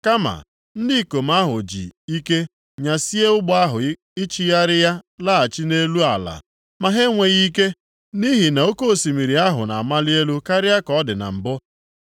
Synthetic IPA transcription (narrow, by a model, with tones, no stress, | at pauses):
ka˦ma̰˨ | n̩˦di˦˨ko˨m̩˦a˦ɦʊ˨d͡ʒḭ˨i˦ke˦ | ɲa˨si˦e˦ʊ˦ɡ͡bɔ˦a˦ɦʊ˨ | ɪ˦t͡ʃi˦ja˦ɾɪ˦ja˦la˦a˨t͡ʃi˦ne˦lu˦a̰˨la̰˨ | ma˨ɦe˦ŋʷe˨ɣi˦ke˦ | ni˦ɦi˨na˨o˦ko˦˨si˨mi˨ɾi˨a˦ɦʊ̰˨na̰˨a˨ma˦li˦e˦lu˦ka˦ɾɪ˦a˦kɔ˦dɪ˨na̰˨m̩˨bʊ˦